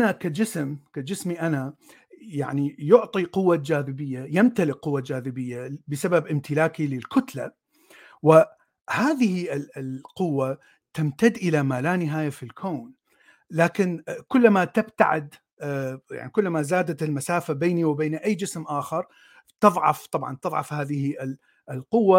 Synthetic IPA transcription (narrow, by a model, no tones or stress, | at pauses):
ʔanakad͡ʒɪsmkad͡ʒɪsmiʔana | jaʕnijʊʕt̪ˤiqʊwːad͡ʒaːðɪbɪjːajɪmt̪alɪʔqʊwːad͡ʒaːðɪbɪjːabɪsababʔɪmt̪ʰɪlaːkilɪlkʊt̪la̰ | wɪ | haːðɪhiɪlqʊwːa | t̪amt̪ad̪ːʔɪlamaːlaːnɪɦaːjafilkʰoːn | laːkɪnkʊlːmat̪ɪbt̪a̰ʕɪ̰d̪ | ja̰ʕnikʊlːmazaːd̪at̪ɪlmasaːfabeːniwbeːnʔajːd͡ʒɪsmʔaːxɑɾˤ | t̪ɨðˤʕɑ̰ft̪ˤɑbʕɑ̰nt̪ɨðˤʕɑ̰fhaːðɪhiɪ | lqʊwːa